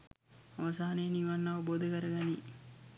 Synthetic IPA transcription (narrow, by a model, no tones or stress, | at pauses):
ɐʋɐsaːneniːʋanːɐʋəboːd̪ɐkɐɾɐɡɐni